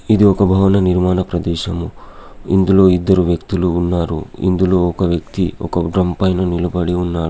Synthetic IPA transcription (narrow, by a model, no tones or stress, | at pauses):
id̪iɔkɐbʱɐʋɐnɐniɾmaːnɐpɾɐd̪ɛːʃɐmu | ḭnd̪uloːid̪ːɐɾuʋjɐkt̪uluːnːaːɾṵḭnd̪uloːɔkɐʋjɐkt̪iɔ̰kɐɖɾɐmpɐjnɐnilɐbɐɽiunːaːɾu